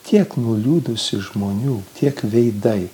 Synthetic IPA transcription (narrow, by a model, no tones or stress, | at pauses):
t̪ʲʰiɛknʊlʲuːd̪ʊsʲɪʒmoːnʲuːt̪ʲiɛkʋʲɛɪd̪ɐɪ